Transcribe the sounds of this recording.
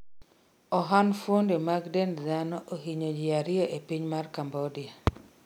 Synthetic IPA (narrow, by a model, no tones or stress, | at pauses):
ɔɦanfwondemaɡdend̪anɔʔoɦiɲod͡ʒɪaɾɪeʔepiɲmarkambodia